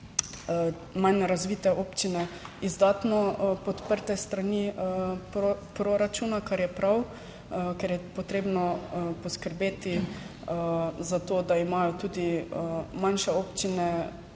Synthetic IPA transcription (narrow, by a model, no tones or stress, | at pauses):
manɾazʋiːt̪ɛoːpt͡ʃinɛizd̪aːt̪nɔpɔt̪pəɾt̪ɛst̪ɾanipɾopɾoɾat͡ʃuːnakaɾjɛpɾaw | kɛɾjɛpot̪ɾeːbnɔpɔskəɾbeːt̪i | zat̪oːd̪aimaːjɔt̪uːd̪i | manʃɛoːpt͡ʃinɛ